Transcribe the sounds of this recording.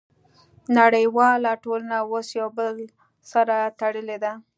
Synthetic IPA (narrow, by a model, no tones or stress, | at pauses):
naɽəjwɑlaʈolanawosjawbəl | saɾat̪aɽəled̪a